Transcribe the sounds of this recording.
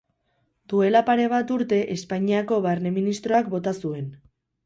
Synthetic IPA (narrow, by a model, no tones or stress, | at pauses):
d̪̥ue̞lapaɾe̞β̞at̪uɾt̪e̞ʔe̞spaɲiako̞βaɾne̞minist̪ɾo̞akbo̞t̪asue̞n